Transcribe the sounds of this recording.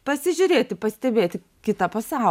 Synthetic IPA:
pɐsʲɪʒʲʊɾʲeːt̪ʲɪpɐsʲt̪ʲɛbʲeːt̪ʲɪ | kʲɪt̪ɐpɐsɑˑʊ

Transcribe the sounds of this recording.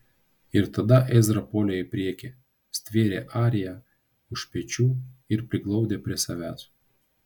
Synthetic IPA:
ɪɾt̪ɐd̪ɐʔɛzʲɾɐpɔlʲeɪpʲɾʲiɛkʲe | sʲt̪ʲʋʲeːɾʲeːʔɑːɾʲɪjæ | ʊʃpʲɛt͡ʃʲuːɪɾpʲɾʲɪɡlˠɒʊd̪ʲeːpʲɾʲiɛsɐʋʲæːsu

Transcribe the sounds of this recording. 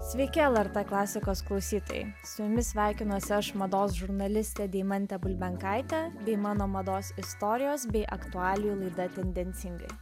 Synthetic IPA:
sʲʋʲɛɪkʲɪɛlˠɛɾt̪ɛklˠɑːsʲɪkoːsklˠɒʊsʲiːt̪o̰jɛ̰sʊjʊmʲɪsʲʋʲæˑɪkʲɪnuɔsʲɪɐʃmɐd̪oːs̬ʒʊɾnɐlʲɪsʲt̪ʲɛd̪ʲɛɪmɐnʲt̪ʲɛbʊlʲbʲɛŋkɑɪt̪ʲɛbʲɛɪmɑːnoːmɐd̪oːsɪst̪ɔːɾʲɪjoːsbʲɛɪʔɐkt̪ʊɑːlʲɪjuːlˠɐɪd̪ɐt̪ʲɛnʲd̪ʲɛnʲt̪ʲɪŋɡɐ̰ɪ

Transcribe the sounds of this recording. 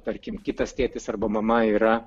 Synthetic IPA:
t̪ɐɾʲkʲɪmkʲɪt̪ɐst̪ʲiːt̪ʲɪsɐrbɐmɐmɐiːɾɐ

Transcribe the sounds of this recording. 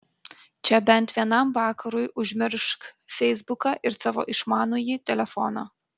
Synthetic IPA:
t͡ʃʲɛbʲɛnʲˑt̪ʋʲiɛnɐmʋɑːkɐɾʊjʔʊʒʲmʲɪɾʃkfʲɛɪzbʊkɑʔɪɾsɑːʋo̰ːʔɪʃmɑːnujit̪ʲɛlʲɛfɔnɑ̰ː

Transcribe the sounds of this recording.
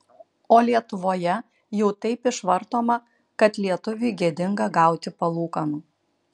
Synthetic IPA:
oːlʲiɛt̪ʊʋoːjɛ | jɛʊt̪ɐɪpɪʃʋɐɾt̪oːmɐ | kɐt̪lʲiɛt̪ʊʋʲɪːɡʲiɛd̪ʲɪŋɡɐɡɑˑʊt̪ʲɪpɐlˠuːkɐnuː

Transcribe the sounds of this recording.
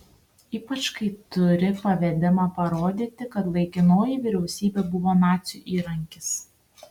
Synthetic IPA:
iːpɐt͡ʃkɐɪt̪ʊɾʲɪpɐʋʲɛd̪ʲɪmɑpɐɾoːd̪ʲiːt̪ʲɪkɐt̪lˠɐɪkʲɪnoːjɪʋʲɪɾʲɛʊsʲiːbʲeːbʊʋoːnɑːt̪sʲɪjuːʔiːɾɐŋʲkʲɪs

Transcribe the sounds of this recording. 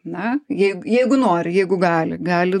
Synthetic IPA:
nɐjɛɪɡʊjɛɪɡʊnoːɾʲɪjɛɪɡʊɡɑːlʲɪ̰ɡɑːlʲɪ

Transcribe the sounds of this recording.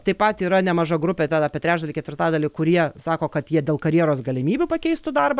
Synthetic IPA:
t̪ɐɪpɐt̪iːɾɐnʲɛmɐʒɐɡɾʊpʲɛt̪ʲɛnɑːpʲiɛt̪ɾʲæːʒd̪ɐlʲɪkʲɛt̪ʲʋʲɪrɾt̪ɑːd̪ɐlʲɪːkʊɾʲiɛsɑːkoːkɐt̪jiɛd̪ʲeːlˠkɐɾʲjiɛɾoːsɡɐlʲɪmʲiːbʲʊpɐkʲɛɪst̪ʊd̪ɐrbɐ

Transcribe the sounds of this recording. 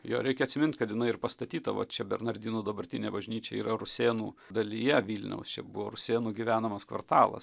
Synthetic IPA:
jo̰ːɾʲɛɪkʲɛɐt̪ʲsʲɪmʲɪnt̪ʲkɐt̪jɪnɐɪɪrpɐst̪ɐt̪ʲiːt̪ɐʋɐ̰t͡ʃʲɛbʲɛɾnɐɾʲd̪ʲiːnuːd̪ɐbɐɾʲt̪ʲɪnʲeːbɐʒʲnʲiːt͡ʃʲɛ̰iːɾɐrʊsʲeːnuːd̪ɐlʲijɛʋʲiːlʲnʲɛ̰ʊst͡ʃʲɛbʊʋoːɾʊsʲeːnuːɡʲiʋʲæːnɐmɐskʋɐ̰rt̪ɑːlˠɐ̰s

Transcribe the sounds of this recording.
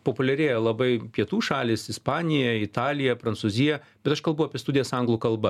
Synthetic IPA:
poːpʊlʲɛɾʲeːjɛlˠɐbɐɪpʲiɛt̪uːʃɑːlʲɪsɪspɑːnʲɪjɛɪt̪ɑːlʲɪjɛpɾɐnt̪suzʲɪjɛ | bʲɛt̪ɐʃkɐlˠbɐʊɐːpʲiɛst̪ʊd̪ʲɪjɛsɐŋɡlˠuːkɐlˠbɐ

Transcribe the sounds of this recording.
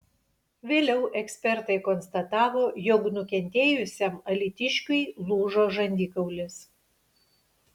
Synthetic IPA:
ʋʲeːlʲɛʊʔɛksʲpʲɛɾt̪ɐɪkɔnst̪ɐt̪ɑːʋoːjɔknʊkʲɛnʲt̪ʲeːjʊsʲɛmɐlʲɪt̪ʲɪʃʲkʲʊɪlˠuːʒoːʒɐnʲd̪ʲɪkɐʊlʲɪs

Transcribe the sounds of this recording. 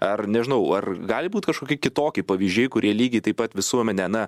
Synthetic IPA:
ɐrnʲɛʒʲɪnɐʊɐrɡɑːlʲɪbuːt̪kɐʃkoːkʲiɛkʲɪt̪oːkʲɪpɐʋʲiʒʲd͡ʒʲɛːɪkʊɾʲʔiɛlʲiːɡʲɪt̪ɐɪpɐt̪ʋʲɪsuɔmʲɛnʲɛnɐ

